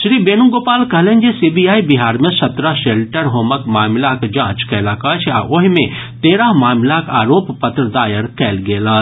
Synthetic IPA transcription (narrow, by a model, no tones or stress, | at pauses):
ʃɾiːbeːnũɡoːpaːlkɐɦlenʲd͡ʒesiːbijaːibiɦaːɾmẽsɐt̪ɾaʃeːlʈəɾɦoːməkmaːmlakd͡ʒãːt͡ʃkɛːlaːkɐt͡ʃʰaːʔoɦimẽt̪eːɾaɦmaːmlakaːɾoːppɐt̪ɾəd̪aːjəɾkɛːlɡeːlaː